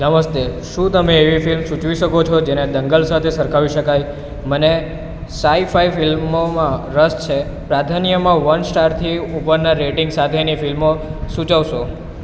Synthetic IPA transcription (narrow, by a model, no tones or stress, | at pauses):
səməst̪eʃũt̪əmẽːʋifilmʃũt͡ʃʋiʃəkot͡ʃʰɔd͡ʒened̪əŋɡəlsat̪ʰesəɾkʰaʋiʃəkaj | məne | saifaifilmomãɾəst͡ʃʰe | pɾad̪ʱanjəmãʋənsʈaɾt̪ʰiupəɾnaɾeʈɪŋɡsat̪ʰenifilmosũt͡ʃəʋʃo